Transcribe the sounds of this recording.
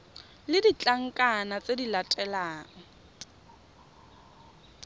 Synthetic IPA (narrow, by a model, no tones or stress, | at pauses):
lɪdit͡ɬʼaŋ̩kʼanat͡sʼedilatʼɛlaːŋ̩